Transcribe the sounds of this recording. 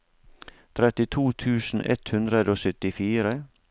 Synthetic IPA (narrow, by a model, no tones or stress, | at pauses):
t̪ʰɾɛt̪ɪt̪ʰuːt̪ʰʉːsn̩ʔɛ̰t̪hʉnd̪ɾəd̪əoːsœt̪ɪfiːɾə